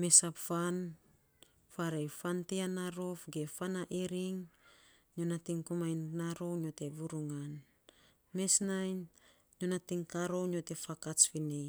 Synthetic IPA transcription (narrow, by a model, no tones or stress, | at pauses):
me̞sapfan | faɾejfanteanaɾo̞fɡe̞fanaʔeɾiŋ | ɲonatiŋkumajnːaɾo̞wnio̞te̞βuɾuŋan | me̞snajn | ɲonatiŋkaɾo̞nio̞te̞fakat͡ʃfine